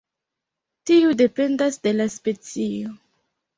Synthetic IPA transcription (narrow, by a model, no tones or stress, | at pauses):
tiude̞pe̞ndasde̞laspe̞t͡sio